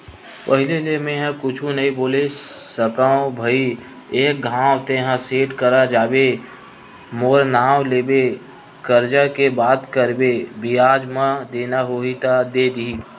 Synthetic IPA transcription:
pəɦɪlelemẽɦãkʊt͡ʃʰũnəɦĩboːlesəkaõbʱəi | eːk̚ɡʱãːwt̪eɦãseːʈkəɾad͡ʒaːbe | moːɾnaːwleːbe | kəɾd͡ʒakebaːt̪kəɾbebijaːd͡ʒmãd̪eːnaɦoːit̪ad̪eːd̪i

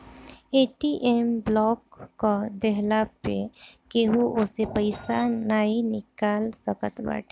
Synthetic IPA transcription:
eːʈiʔemblɔːkːod̪ɛɦlapḛkeɦuʔʊsepəɪsanaːinɪkaːlsəkət̪ba̰ːʈʰː

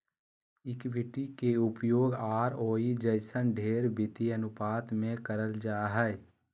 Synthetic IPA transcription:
ɪkʋɪʈikeʊpjoːɡaːɾoːid͡ʒəɪsənɖʱeːɾbɪt̪iənʊpaːt̪mẽkəɾəld͡ʒaːɦɛ

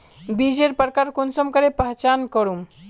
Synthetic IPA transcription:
bid͡ʒeɾpəɾkaːɾkonsəmkəɾepəɦt͡ʃaːnkəɾum

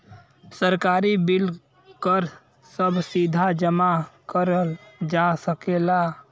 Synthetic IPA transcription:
səɾkaːɾibɪl | kəɾ | səbsiːd̪ʱad͡ʒəmakəɾəld͡ʒaːsəkeːla

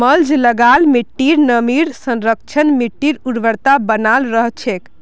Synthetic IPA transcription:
məld͡ʒləɡalmiʈːiɾnəmiɾsə̃nɾək̚t͡ʃʰənmiʈːiɾuɽʋəɾt̪abənalɾəɦt͡ʃʰek

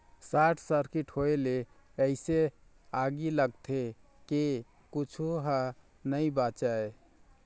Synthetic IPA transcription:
saʈʰsəɾkiʈhoele | əɪse | aɡiləɡ̚t̪ʰe | ke | kut͡ʃʰuɦə | nəibat͡ʃae

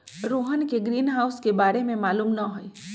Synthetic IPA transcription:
ɾoːɦənkeɡɾiːnɦaːʊskebaːɾemẽmaːluːmnɐɦoiː

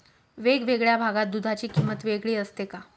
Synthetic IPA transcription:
ʋeɡʋeɡɭjabʱaɡat̪̚d̪ud̪ʱat͡ɕiːkimət̪ʋeɡɭiːəst̪eka

